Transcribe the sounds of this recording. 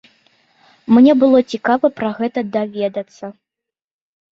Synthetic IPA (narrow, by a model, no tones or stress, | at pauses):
mnʲɛbɨlˠɔt͡sʲikavɐpɾɐɣɛt̪ɐd̪avʲɛd̪ɐt̪sːɐ